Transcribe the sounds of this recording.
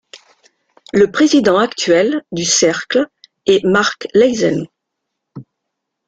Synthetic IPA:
ləpχezid̪ɑ̃akt̪ɥɛld̪ysɛʁkl | ɛmaʁklɛjzɛ̰n

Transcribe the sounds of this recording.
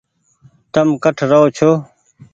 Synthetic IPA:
t̪ɐmkɐʈʰɾɐot͡ɕʰo

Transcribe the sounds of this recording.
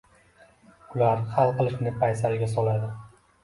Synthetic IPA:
ʊlaɾhalˠqɨlˠɪʃnɪpʰajsaɾɪɡʲasɒlˠad̪ɪ

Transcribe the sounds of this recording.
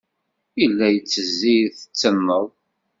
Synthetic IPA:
ilːæjət͡sːəzːiθə̥t͡sːəmːəðˤ

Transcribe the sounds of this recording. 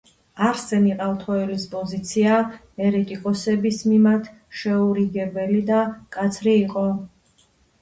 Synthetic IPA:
aɾsɛniqʼalˠt̪ʰɔɛlispʼɔzit̪sʰia | ɛɾɛt̪ʼikʼɔsɛbismimaɾt̪ʰ | ʃɛuɾiɡɛbɛlid̪akʼat̪sʰɾiːqʼɔ

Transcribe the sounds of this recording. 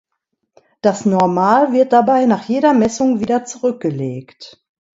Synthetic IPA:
d̥asnɔɐmaːlvɪɐt̚d̥abaɪnaːχjeːɾɐmɛsʊŋviːdɐt͡suʁʏk̚ɡ̥əleːkt

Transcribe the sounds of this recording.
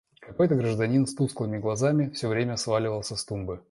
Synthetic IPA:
kɐko̞jt̪əɡɾəʐd̪ɐnʲinst̪usklˠɨmʲɪɡlˠɐzamʲɪfsʲɵvɾʲemʲəsvalʲɪvəlˠsʲəst̪umbɨ

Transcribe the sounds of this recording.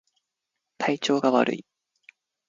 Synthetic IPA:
t̪ʰait͡ɕo̞ːɡaβa̰ɾʔɯ̰i

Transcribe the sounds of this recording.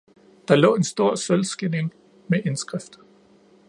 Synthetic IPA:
d̥ɑ̈lɔ̰̽ːe̝nsd̥o̝ɐ̰sølsɡ̥ene̝ŋ | meʔe̝nsɡ̥ʁɛfd̥

